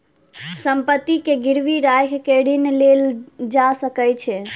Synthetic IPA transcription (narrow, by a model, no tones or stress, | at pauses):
səmpət̪ːikeɡiɾʋiɾajɦkeɽinleld͡ʒasəkəjt͡ʃʰɛ